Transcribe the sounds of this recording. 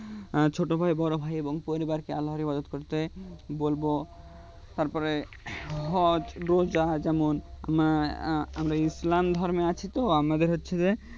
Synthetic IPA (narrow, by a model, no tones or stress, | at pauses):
t͡ɕʰoʈobʱajbɔɾobʱajeboŋpoɾibaɾkealɦoɾibad͡ʑot̪koɾt̪ebolbo | t̪aɾpɔɾe | ɦɔd͡ʑɾod͡ʑad͡ʑɛmona̰mɾaamɾaislamd̪ʱɔɾmeat͡ɕʰit̪oamad̪eɾɦotːɕʰed͡ʑe